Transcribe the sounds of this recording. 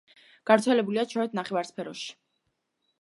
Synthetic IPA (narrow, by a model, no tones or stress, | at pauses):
ɡ̥avɾt̪sʰɛlɛbuliat͡ʃʰɔɾɛd̪naχɛvaɾspʰɛɾɔʃi̥